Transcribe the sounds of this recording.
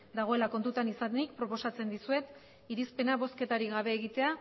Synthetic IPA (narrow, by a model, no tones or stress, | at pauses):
d̪aɣ̞o̞e̞lako̞nt̪ut̪anisanikpɾo̞po̞sat͡se̞nd̪isue̞t̪ | iɾispe̞naβo̞ske̞t̪aɾiɣaβ̞e̞ːɣit̪e̞a